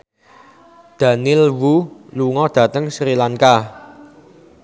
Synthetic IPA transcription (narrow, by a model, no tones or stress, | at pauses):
d̪̥a̤nɪlwuluŋɔd̪̥ä̤t̪əŋsɾilaŋka